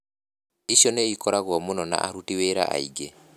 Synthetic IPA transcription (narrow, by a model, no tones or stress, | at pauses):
isjɔneikɔɾaɣwɔmunɔna̰ʔaɾutiweɾa̰ʔa̰ḭɡe